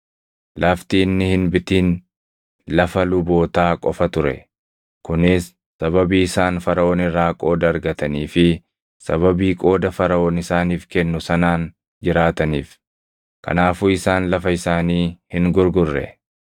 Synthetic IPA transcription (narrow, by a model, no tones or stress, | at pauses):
lʔɐft̪iːnːɪhɪnbɪt̪iːn | lɐfɐlʊbo̞ːt̪aːkʼɔfɐt̪ʊɾɛ̰ | kʊnɪsː | ɐβɐbiːɪsaːnfɐɾɐo̞ːnɪrːaːkʼo̞ːd̪ɐːɾɡɐt̪ɐniːfɪ | sɐβɐbiːkʼo̞ːd̪ɐfɐɾɐoːnɪsaːniːfkɛnːʊsɐnaːn | d͡ʒɪɾaːt̪ɐniːf | kɐ̰naːfuːɪsaːnlɐfɐɪsaːniːhɪŋɡʊɾɡʊrːɛ̰